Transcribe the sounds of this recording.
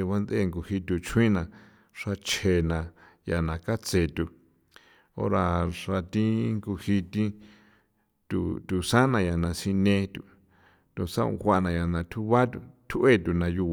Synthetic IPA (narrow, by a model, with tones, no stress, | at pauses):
βa˦nd̪e˦˧˨ŋɡu˧hi˧t̪u˧t͡ʃʰwĩ˦nã˧ | ʂa˧t͡ʃʰe˧˨nã˧˨ | ja˨nã˨ka˦t͡se˧˨t̪u˧ | o̰˦ɾa˧ʂa˧t̪ĩ˦ŋɡu˧hi˧t̪i˦ | t̪ṵ˧˨t̪u˨sã˦nã˧ja˨nã˧sĩ˧nẽ˧t̪ṵ˧˨ | t̪u˧sã˦ṵ̃˧xʷa˧ʔnã˧ja˨nã˧t̪ʰu˦βa˦t̪u˧˨t̪ʰu˦ʔe˦˨t̪u˨nã˧ju˧